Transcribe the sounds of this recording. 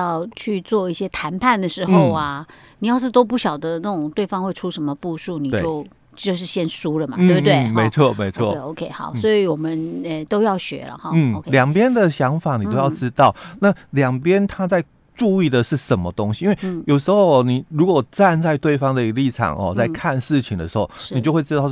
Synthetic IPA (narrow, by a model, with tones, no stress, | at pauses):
jɑ˥˧ʊt͡ɕʰy˥˧t͡swɔ˥˧i˥˩ɕjɛ˥t̪ʰa˧˥npʰa˥˩nd̪ə˩ʂɻ̩˧˥o˥˧ʊa˩ | ni˨˩jɑ˥˧ʊʂ̬ɻ̩˥˩t̪wɔ˥p̬u˥˩ɕjɑ˨˩ʊd̪ə˦na˥˩ʈ͡ʂʊ˨˩ŋt̪we˥˩ɪfɑ˥ŋxwe˥ɪʈ͡ʂʰu˥ʂə˧˥nmə˧pu˥˧ʂu˥˩ni˨˩et͡ɕjo˥˧ʊ | t͡ɕjo˥˧ʊʂ̬ɻ̩˥˧ɕjɛ˥˧nsu˥lə˨ma̰˨t̪̩˥e˧˩bt̪we˥˩ɪme˧˥ɪt͡sʰwɔ˥˩me˧˥ɪt͡sʰwɔ̰˥˨˩o˧ʊkʰe˥ɪxɑ̰˨˦ʊsɔ˧˥i˨wɔ˨˩mə˦nɛ˨˧t̪o˥ʊjɑ˥˩ʊɕɥɛ̰˧˥lə̰˨xn̩˥˩˧ljɑ˨˩ŋpjɛ˦˥nd̪ə˨ɕjɑ˧˥ŋfa˨˩˦ni˨o˥ʊjɑ˥˨ʊʈ͡ʂɻ̩˥t̪ɑ˥˨˩ʊna˥˨ljɑ˨˩ŋpjɛ˥nt̪ʰa˥t͡sa˥˧ɪ | ʈ͡ʂu˥˧i˥˩d̪ə˨ʂɻ̩˥˩ʂə˨˦nmə˧t̪o˥ŋɕi˨i˥˦nwe˥˩jo˨˩ʊʂ̬ɻ̩˧˥xo˥˧ʊ˨ni˨˩ɻu˧˥kwɔ˨˩ʈ͡ʂa˥˧nt͡sa˥˧ɪt̪we˥˩ɪfɑ˥ŋd̪ə˨i˧ɡə˧li˥˩ʈ͡ʂʰɑ̰˨˩ŋʔɔ̰˨˦t͡sa˥˧ɪkʰa˥˧nʂɻ̩˥˩t͡ɕʰi˨˩ŋd̪ə̰˨ʂɻ̩˧˥xo˥˩ʊʂi˨˩t͡ɕjo˥˧xwe˥˧ɪʈ͡ʂ̩ɻt̪ɑ˥˧ʊ˩